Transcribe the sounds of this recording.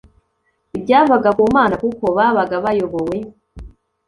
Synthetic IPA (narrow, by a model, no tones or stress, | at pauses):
ibɟaːvaɡakuːmaːnakukoβaβaɡaβajoβowe